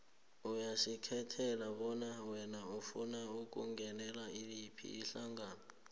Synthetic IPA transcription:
ujaʃikʰɛtʰɛlaβɔnawɛnaufunaukʼṵŋɡʱɛnɛlailipʰḭːɬaŋɡaːna

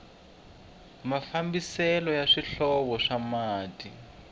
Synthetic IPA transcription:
mafambisɛlɔjaʂiɬɔβɔʂamaːti

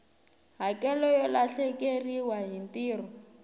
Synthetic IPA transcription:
ɦakʼɛlɔjɔlaɬɛkeriwaɦintiːrɔ

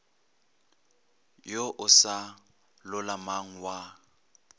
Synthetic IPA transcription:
joʔʊsa | lʊlamaŋ̩wa

